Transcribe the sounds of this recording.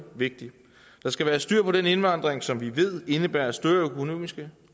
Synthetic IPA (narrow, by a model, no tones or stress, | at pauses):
ʋe̝ɡ̥̚d̥i | d̥ɑ̈sɡ̥æʋæːɐsd̥yɐ̰pʰɒ̽ɾ̥ene̝nʋɑ̈n̰d̥ʁeŋsɒ̽mʋiʋe̝ð̞̰ˠe̝nəb̥æːɐæsd̥øɐøkʰo̝no̝̰ːmisɡ̥ə